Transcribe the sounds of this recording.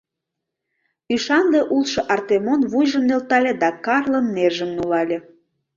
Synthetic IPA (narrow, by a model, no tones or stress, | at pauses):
yʃɑnleʔulʃɤʔɑrt̪emonβujʒəmnelt̪ɑlʲed̪ɑkɑrlənːerʒəmnulɑlʲe